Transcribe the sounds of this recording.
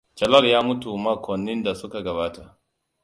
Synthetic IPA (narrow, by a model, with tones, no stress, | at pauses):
t͡ʃɐ˨lɐ˦ljaː˦mʊ˦tu˨maː˦kʷɔ˨nːɪ˦nda˨sʊ˦ka˨ɡɐ˨βaː˦ta˨ʔ